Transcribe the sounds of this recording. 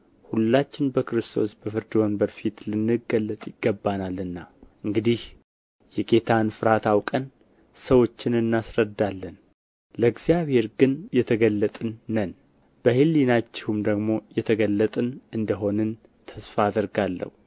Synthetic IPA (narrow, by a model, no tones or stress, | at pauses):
hulːat͡ʃːɪnbəkɾɨst̪ʰo̞sbəfɨɾd̪iwonbəɾfit̪lɨnːɨɡəlːət̪ʼjɪɡːəbːanalɨnːaʔɨŋɡɨd̪ih | jɛɡe̞t̪ʰanfɨɾat̪ʰawkʼən | səwo̞t͡ʃːɪnɨnːasɾəd̪ːalːən | ləɡzijaβhe̞ɾɡɨnjɛt̪ʰəɡəlːət̪ʼɨnːən | b̥əhɨlːinat͡ʃːɪhumd̪əɡmo̞jɛt̪ʰəɡəlːət̪ʼɨnʔɨnd̪əɦo̞nɨn | t̪ʰəsfaːd̪əɾɡalːə̰hu